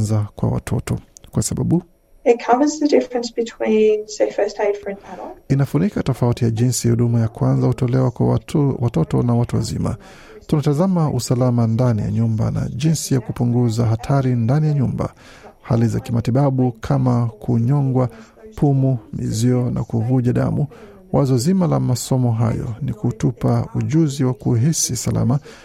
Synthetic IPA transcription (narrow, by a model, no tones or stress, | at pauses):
nzakwa̰wa̰tʰɔ̰tɔkwasaɓaɓu | ɪt̚kʰʌvəzðədɪfɹə̃nsb̥ɨtʰw̥ĩːnsɛfəsteɪdfɹɛ̃nmɛɾl̩inafunikatɔfautijaʄinsihuɗumajakwanzahutɔlɛwakwawatɔtɔnawatuwa̰zḭma̰ | tunatazamaʔusalamandanija̰ɲumba̰na̰ʄinsijakupuŋɡuzaɦatʰaɾindanijaɲumba̰ | halizakimatiɓaɓukʰamakʰuɲɔŋɡwa | pʰumumḭziɔna̰kuvuʄaɗa̰mu | wʔazɔzimalamasɔmɔɦa̰jɔ̰nikutupauʄuziwakuɦisisala̰ma